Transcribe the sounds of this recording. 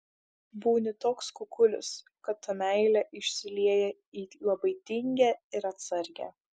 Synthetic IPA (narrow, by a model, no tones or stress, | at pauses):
buːnʲɪt̪oːkskʊkʊlʲʊ̰s | kɐt̪ːɐmʲæɪlʲɛʔɪʃʲsʲɪlʲiɛjɛ | iːlˠɐbɐɪt̪ʲɪŋʲɡʲæːɪɾɐt̪sɐɾʲɡʲæ̰ː